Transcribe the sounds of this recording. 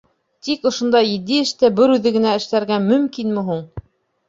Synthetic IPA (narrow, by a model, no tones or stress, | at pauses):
t̪ikŏʃŏnd̪ɑjɘ̆d̪ːiɘ̆ʃt̪æbɘɾʉðɘ̆ɡɘ̆næɘ̆ʃlæɾɡæmɵ̆mkinmɘ̆ɦuɴ